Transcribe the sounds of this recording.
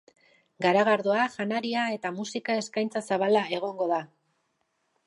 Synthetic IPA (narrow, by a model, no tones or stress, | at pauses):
ɡaɾaɣaɾðoaʝanaɾiae̞t̪amusikae̞skajnt͡sasaβalae̞ɣ̞o̞ŋɡo̞ða